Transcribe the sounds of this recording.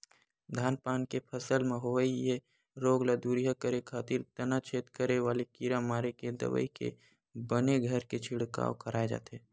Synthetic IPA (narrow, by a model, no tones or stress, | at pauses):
d̪ʱaːnpaːnkepʰəsəlmẽɦoʋəije | ɾoːɡlad̪uːɾjakəɾekʰaːt̪ɪɾt̪ɐnat͡ʃʰeːt̪kəɾeʋaːlekiɾamaːɾeked̪ɐ̰ʋə̰ikḛ | bəneɡʱəɾket͡ʃʰɪɽka̰ːokəɾaːed͡ʒa̰ːt̪eː